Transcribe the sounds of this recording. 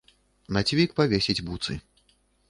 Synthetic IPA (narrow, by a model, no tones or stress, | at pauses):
nat͡sʲvʲikpavʲesʲid͡zʲbut̪sɨ̰